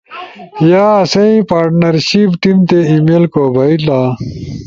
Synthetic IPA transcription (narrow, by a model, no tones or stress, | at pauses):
jaːɐsɐipaːɾʈnɐɾɕipʈimt̪eimelkoːbʱɐila